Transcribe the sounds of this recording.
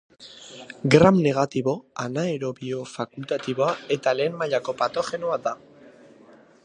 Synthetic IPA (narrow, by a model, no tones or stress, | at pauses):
ɡɾamne̞ɣ̞at̪iβo̞anaeɾo̞βio̞fakult̪at̪iβ̞oae̞t̪ale̞ːmmaʎako̞pat̪o̞xe̞noad̪a